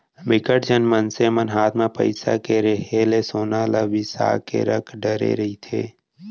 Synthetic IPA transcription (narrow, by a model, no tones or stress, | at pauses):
mɪkəʈd͡ʒənmənsemənɦaːt̪ʰmãpə̰ɪsa̰keɾəɦelesoːnaləʋisa̰ːkḛɾəkʰɖəɾḛɾəɦit̪ʰḛː